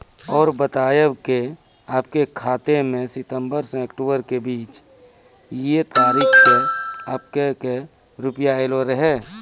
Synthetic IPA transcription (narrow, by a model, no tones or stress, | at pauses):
ɔːɾbət̪aːjəwke | aːp̚kekʰaːt̪emẽsɪt̪ə̃mbəɾsẽəkʈoːbəɾkebiːt͡ʃ | jet̪aːɾiːkkeaːpkeke | ɾʊpjaeloɾəɦɛː